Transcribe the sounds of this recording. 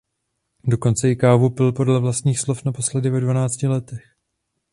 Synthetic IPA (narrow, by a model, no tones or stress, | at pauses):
do̞ko̞nt͡sɛɪkaːvupɪlpo̞dlɛvlast̪ɲiːxslo̞fnapo̞slɛdɪvɛdvanaːt͡scɪlɛt̪ɛx